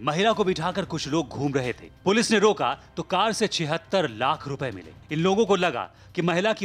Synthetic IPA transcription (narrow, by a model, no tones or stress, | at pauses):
mɐɦɪlakobɪʈʰaːkəɾkʊt͡ʃʰloːɡ̚ɡʱuːmɾɐɦet̪ʰḛːpʊlɪsneɾoːka̰t̪okaːɾset͡ʃʰɪɦət̪ːəɾlaːkʰɾʊpemɪ̰lḛːɪnloːɡõkolɐɡa̰ | kimɐɦɪlaki